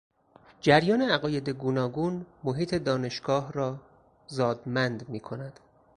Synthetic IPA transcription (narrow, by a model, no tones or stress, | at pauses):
d͡ʒæɾjɒːneæɣɒːje̞d̪e̞ɡuːnɒːɡuːnmoɦiːt̪ʰe̞d̪ɒːne̞ʃɡ̥ɒːɦɾɒː | zɒːd̪mænd̪miːkʰo̞næd̪̥